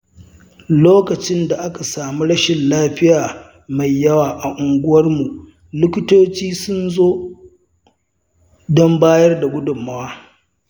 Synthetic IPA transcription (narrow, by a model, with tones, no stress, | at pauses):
loː˦kɐ˨t͡ʃɪ˦nda˨ʔa˦ka˨saː˨mu˦ɽɐ˦ʃɪ˨nlaː˦ɸɪ˦jaː˨ | ma˨jːɐ˦waː˨ʔa˨ʔʊ˨ŋɡʷʊ˦wɐ˦rmu˨ʔ | lʊ˦kʲɪ˦toː˦t͡ʃiː˦sʊ˦nzoː˦ | dɔ˦mbaː˦jɐ˦rda˨ɡʷʊ˦dʊ˨mːa˦waː˦